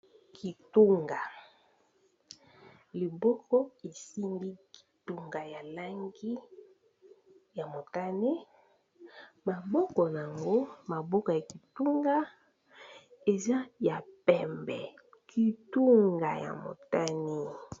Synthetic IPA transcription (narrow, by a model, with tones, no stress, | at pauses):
kʰi˨tu˦ŋɡa˨ | li˨bɔ˦kɔ˦e˨si˦ndi˦ki̥˨tu˦ŋɡa˨ja˨la˦ŋɡi˦ | ja˨mo˨ta˦ni˦ | ma˨bɔ˦kɔ˨na˨a˨ŋɡo˦ma˨bɔ˦kɔ˨ja˨ki˨tu˦ŋɡa˦ | e˨za˦ja˨pɛ˨mbɛ̰˨ | kʰi˨tu˦ŋɡa˨ja̰˨mo̰˨ta˦ni˦